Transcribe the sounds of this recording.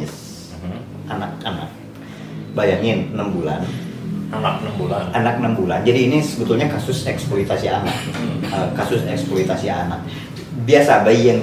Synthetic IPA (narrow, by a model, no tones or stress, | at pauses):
ɪs | ʔanak̚ana̰k̚ | bajaŋinəmbula̰nanak̚nəmbulananak̚nəmbuland͡ʒadiːnisəbət̪ʊlɲakasʊsɛksploit̪asiana̰k̚əkasʊsɛksploit̪asianak̚ | biasabaijaŋ